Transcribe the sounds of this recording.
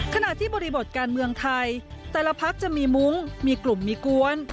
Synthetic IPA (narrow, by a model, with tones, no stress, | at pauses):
kʰa˧na˨˩ʔt̪ʰiː˥˩bɔː˧ɾi˧bo˨˩t̪̚kaː˧nmɯ˧əŋt̪ʰa˧jt̪ɛː˧˩la˧pʰa˦˥k̚t͡ɕa˨˩miː˧mu˦˥ŋmiː˧klu˨˩mːiː˧ku˧ən